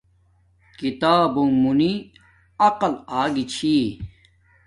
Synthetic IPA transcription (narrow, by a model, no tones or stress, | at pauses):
kit̪aːbũmuni | ɐqɐlaːɡit͡ɕʰi